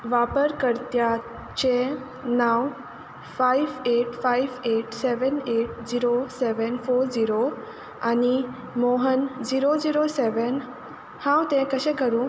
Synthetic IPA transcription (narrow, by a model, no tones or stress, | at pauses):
ʋapəɾkəɾt̪ja | t͡ɕe | naw | faiʋeʈfaiʋeʈseʋəneʈ̚d͡ʑiɾoseʋənfoɾd͡ʑiɾo | ani | moɦənd͡ziɾod͡ziɾoseʋən | hãwt̪ẽkəɕɛ̃kəɾũː